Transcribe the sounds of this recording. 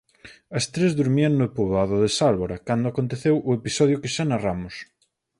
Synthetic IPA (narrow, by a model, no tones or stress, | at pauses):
ɐst̪ɾezðuɾmiɐŋnʊepoβaðʊðesalβoɾɐkand̪ʊakont̪eθewʔʊepisɔð̞jʊkɪʃanaramʊs